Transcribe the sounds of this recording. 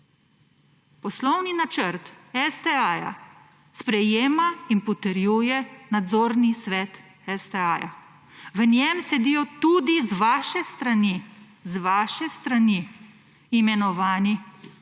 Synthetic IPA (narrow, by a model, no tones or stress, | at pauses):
pɔslɔwninat͡ʃəɾt̪ɛsd̪ɛaja̰ | spɾɛjeːmainpɔt̪əɾjuːjɛnad̪zoːɾnisʋɛːt̪ | ɛsd̪ɛaja̰ | ʋənjɛmsɛd̪iːjɔt̪ud̪izʋaːʃɛst̪ɾani | zʋaːʃɛst̪ɾaniː | mɛnɔʋaːni